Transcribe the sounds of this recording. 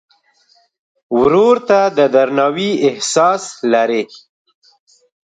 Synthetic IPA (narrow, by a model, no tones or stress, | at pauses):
wɾoɾt̪ad̪əd̪aɾnɑwiɪhsɑslaɾe